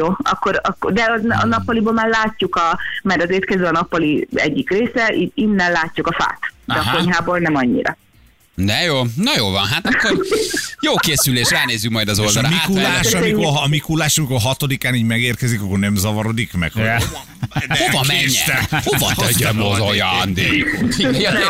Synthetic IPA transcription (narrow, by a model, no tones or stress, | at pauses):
joːɒ̰kːoɾɒkːod̪ɛɒzɒ̰nɒpːɒliboːlmaːrlaːcːukɒmaɾɒzeːrt̪̚kɛzøːɒnɒpːɒliɛ̰ɟːikreːsɛʔiinːɛlaːcːukɒfa̰ːt̪d̪ɛɒko̞ɲɦaːboːlnɛmɒɲːḭɾɒ̰ | d̪ɛjoːnɒjoːlvɒnɦat̪ɒkːojoːkeːsyleːʃraːlneːzːykmɒjd̪ɒzold̪ɒɾamikulaːʃɒmikomikulaːʃɒmikorɦɒt̪o̞d̪ikaːniːɟmɛɡeːrkɛzikɒkːo̞rnɛmzɒvɒɾo̞d̪ikmɛ̰khojɛ | ovɒmɛɲːɛ̰t̪ɛhovɒt̪ɛɟːɛmozojɒnd̪e